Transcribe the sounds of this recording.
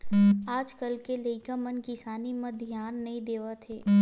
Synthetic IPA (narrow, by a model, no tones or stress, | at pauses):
aːd͡ʒkəlkeləɪkamɐnkɪsaːnimɐ̃d̪ʱjaːnːɐɦĩd̪eːʋat̪ʰeː